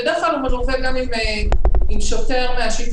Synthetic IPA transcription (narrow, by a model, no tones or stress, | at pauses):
ed̪eχlalumadoveɡamimeimʃoteʁmeaʃit